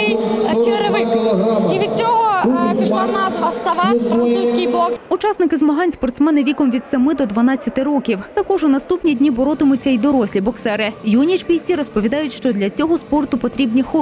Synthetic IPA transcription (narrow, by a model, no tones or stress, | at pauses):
t͡ʃɪɾɪʋɪkiʋʲid̪̥̚t͡sʲɔɦɔpʲiʃlˠɑnɑzʋɐsɐʋɑt̪fɾɐnt̪suwsʲkɪjbɔksʊt͡ʃɑsnɪkɪzmɐɦɑnʲspɔrt̪smɛnɪʋʲikɔmʋʲid̪sɐmɪd̪ɔd̪ʋɐnɑt͡sʲːɐt̪ɪɾɔkʲiwt̪ɐkɔʒʊnɐst̪upnʲidʲnʲibɔɾɔt̪ɪmʊt͡sʲːɐid̪ɔɾɔsʲlʲibɔksɛɾɪjunʲit͡ʃbʲijʲt͡sʲiɾɔspɔʋʲid̪ɑjʊtʲʃt͡ʃɔd̪lʲɐt͡sʲɔɦɔspɔrt̪ʊpɔt̪ɾʲibnʲixɔ